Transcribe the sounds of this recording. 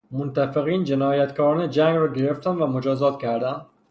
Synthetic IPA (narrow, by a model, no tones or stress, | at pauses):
mont̪æfeɣiːnd͡ʒe̞nɒːjæt̪kʰɒːɾɒːned͡ʒæŋɡɾɒːɡe̞ɾeft̪ænvæmod͡ʒɒːzɒːt̪cʲʰæɾd̪æn